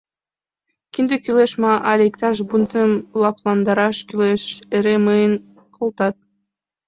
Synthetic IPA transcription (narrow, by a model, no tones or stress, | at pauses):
kind̪ykylʲˠeʃmɑʔalʲikt̪ɑʃ̬bunt̪ɨmlˠɑplˠɑnd̪ɑɾɑʃkylʲeʃeɾemɯjn | kʰolˠt̪ɑt̪̚